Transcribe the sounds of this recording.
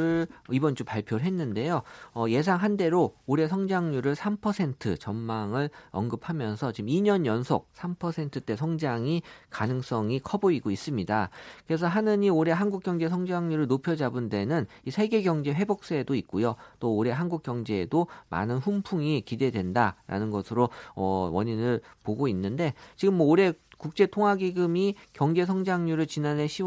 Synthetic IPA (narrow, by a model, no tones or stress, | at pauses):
ɯibʌnt͡ɕ͈opaɭpʰjoɾɭɦe̞nːɯnde̞joʌje̞s̬ʰaŋɦande̞ɾooɾe̞s̬ʰʌŋd͡ʑaŋɲuɾɯɭsʰampʰʌsʰe̞ntʰɯt͡ɕʌmmaŋɯɭʌnɡɯpʰamjʌnsʰʌt͡ɕimiɲʌnjʌnsʰo̰k̚sʰampʰʌsʰe̞ntʰɯt͈e̞sʰʌŋd͡ʑaŋikanɯŋs͈ʌŋikʰʌboiɡois͈ɯmɲidakɯɾe̞sʰʌɦanɯɲioɾe̞ɦanɡuk͈jʌŋd͡ʑe̞sʰʌŋd͡ʑaŋɲuɾɯɭnopʰjʌd͡ʑabunde̞nɯnisʰe̞ɡe̞ɡjʌŋd͡ʑe̞ɸwe̞bok̚s͈edoit̚k͈ojot͈oːɾe̞ɦanɡuk͈̚jʌŋd͡ʑe̞ːdoma̰nɯnɸumpʰuŋikide̞dwe̞ndaɾʔa̰nɯnɡʌsʰɯɾoʌ̰wʌɲinɯɭpoɡoinːɯnde̞t͡ɕiɡɯmːʌoɾe̞kuk̚t͡ɕ͈e̞tʰoŋɦaɡiɡɯmikjʌŋd͡ʑe̞sʰʌŋd͡ʑaŋɲuɾɯɭt͡ɕinane̞ɕʰi